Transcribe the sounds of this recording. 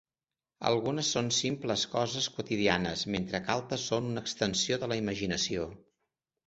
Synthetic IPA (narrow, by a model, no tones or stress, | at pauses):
ə̰lˠɣunəsːonsimpləskɔzəskut̪iðianəsment̪ɾəkalˠt̪əsːonunəːkst̪ənsioðələiməʒinəsio